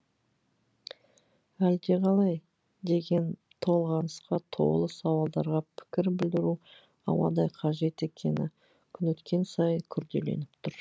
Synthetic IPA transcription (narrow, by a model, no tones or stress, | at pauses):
æld̪e̞ʁɑlˠɑj | d̪e̞ɡʲe̞n | t̪ʰo̞lˠʁɑnəsqɑt̪ʰo̞̰lˠəsɑwɑlˠd̪ɑɾʁɑpʰɪ̥kʲɪɾbɪld̪ɪɾu | ɑ̰wɑ̰d̪ɑjqʰɑʒe̞t̪e̞kʲʰe̞nɪ | kʲʰʏnwɵt̪kʲe̞nsɑjəŋkʲʰʏɾd̪e̞̰le̞̰nɪp̚t̪ʰʊɾ